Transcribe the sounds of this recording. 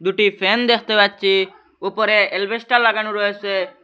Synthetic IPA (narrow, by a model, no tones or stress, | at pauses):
d̪uʈipʰend̪ekʰt̪ebad̚t͡ʃʰi | upɔɾeelbesʈalːaɡanuɾɔɦese